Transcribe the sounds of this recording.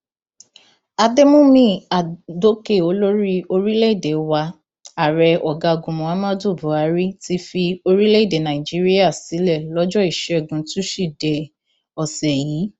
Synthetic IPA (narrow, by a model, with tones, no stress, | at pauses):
a˧de˦mũ˦mĩ˦a˨do˦ke˦˨o˧˦lo˦ɾi˦o˧ɾi˦le˦i˦˨de˨wa˧ | a˨ɾɛ˧ɔ˨ɡa˧ɡũ˨mũ˨a˦mã˦do˦˨bu˨˦a˨˦ɾi˦ti˨˦fi˧o˧ɾi˦le˦i˦˨de˨nã˨i˨d͡ʒi˨˦ɾi˦a˦˨si˨˦lɛ˦˨lɔ˦d͡ʒɔ˦i˦˨ʃɛ˨ɛ˦˨ɡũ˨˦tũ˦ʃi˦˨dɛ˨ | ɔ˨sɛ˨jiː˨˦